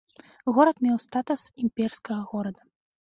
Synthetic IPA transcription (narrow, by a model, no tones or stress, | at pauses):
ɣɔɾɐt̪mʲɛwst̪at̪usimpʲɛrskɐɣɐɣɔɾɐd̪ɐ